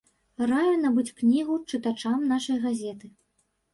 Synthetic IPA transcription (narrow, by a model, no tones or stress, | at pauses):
rajɐnɐbɨt͡sʲknʲiɣut͡ʂɨt̪at͡ʂamnaʂɐjɣazʲɛt̪ɨ